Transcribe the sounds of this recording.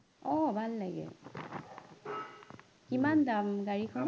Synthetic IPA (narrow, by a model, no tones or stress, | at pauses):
ɔbalːaɡḛ | kimand̪amɡaɾikʰam